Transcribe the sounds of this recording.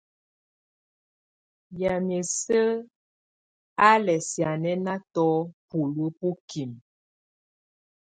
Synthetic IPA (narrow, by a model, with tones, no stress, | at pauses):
ja˨me˨sə˦ | a˦lɛ˨sja˨nɛ˦na˦tɔ˦pu˨lu˦pu˦ki˨m